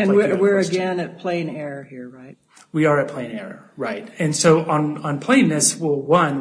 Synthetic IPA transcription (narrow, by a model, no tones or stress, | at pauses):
ɨ̃nɪwɪɹɨɡɛ̃nɨt̚pʰl̥ẽɪ̃nɛɹəhiɹɹaɪt̚ | wiə˞ɨt̚pʰl̥ẽɪ̃nɛɹə̰ɹaɪt̚ɨ̃nsoʊʔə̃nə̃npʰl̥ẽɪɪ̃nðɪswɪlˠwʌ̃n